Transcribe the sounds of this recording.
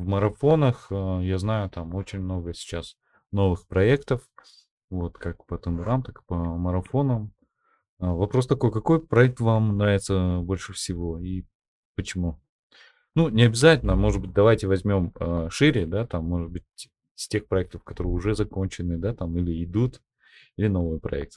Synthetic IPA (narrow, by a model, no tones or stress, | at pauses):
vməɾɐfo̞nəxəjaznajʊt̪amo̞t͡ɕɪnʲmno̞ɡəsʲɪ̥t͡ɕas | no̞vɨxpɾɐekt̪əf | vo̞t̪kak̚pət̪ɨnd̪ɨɾamt̪akɨ̥pəməɾɐfo̞nəm | vɐpɾo̞st̪ɐko̞jkɐko̞jpɾɐɛk̚t̪vamnɾavʲɪt̪səbo̞lʲʂɨfsʲɪvo̞i | pət͡ɕɪmu | nunʲɪɐbʲɪzatʲɪlʲnəmo̞ʐɨd̪̚bɨt̚ʲd̪ɐvajtʲɪvɐzʲmʲo̞məʂɨɾʲɪd̪at̪amːo̞ʐɨd̪̚bɨt̚ʲ | sʲtʲe̞xpɾɐɛk̚t̪əfkɐt̪o̞ɾɨjʊʐɛzɐko̞nʲt͡ɕɪnɨd̪at̪amilʲɪɪd̪ut̪ | ilʲɪno̞vɨjəpɾɐ̰ɛ̰k̚t̪ə̥